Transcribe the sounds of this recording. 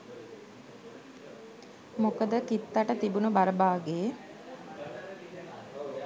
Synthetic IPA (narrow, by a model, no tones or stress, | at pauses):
mokəd̪əkit̪ːaʈət̪ibunubaɾəbaːɡeː